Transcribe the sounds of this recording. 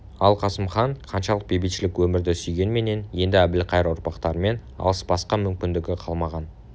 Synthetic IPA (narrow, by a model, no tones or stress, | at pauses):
ɑlˠqʰɑsəmχɑɴqʰɑnʃɑlˠəq̚bejbet̪ʃɪlɪkwɵmɪɾd̪ɪsʏjɡʲe̞nme̞ne̞nje̞nd̪ɪæbɪlɪqʰɑjɾʊɾpɑqt̪ɑɾəme̞n | ɑ̰lˠəsbɑsqɑmʏmkʲɪnd̪ɪɡʲɪqʰɑlˠmɑʁɑn